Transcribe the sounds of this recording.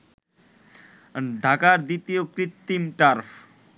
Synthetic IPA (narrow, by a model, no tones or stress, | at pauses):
ɖʱakaɾd̪it̪ijokɾit̪ːimʈaɾpʰ